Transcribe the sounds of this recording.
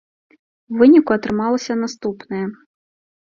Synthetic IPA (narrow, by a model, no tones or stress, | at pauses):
uvɨnʲikuɐt̪ɾɨmalˠɐsʲɐnast̪upnɨjɐ